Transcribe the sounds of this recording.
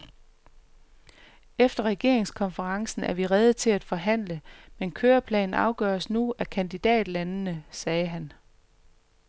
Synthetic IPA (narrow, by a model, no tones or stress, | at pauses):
efd̥ɐʁɛɡ̥e̝ɐ̰e̝ŋskʰɒ̽nfəʁɑ̈ŋsn̩æɐʋiʁɛð̩ˠt͡sʰe̝læd̥fɒ̽ɦæn̰ləmenkʰøːɐpʰlɛ̰ːnn̩ʔɑ̈ʊɡ̥ɶɐsnuækʰænd̥id̥ɛ̰ːd̥lænənəsɛːɦæn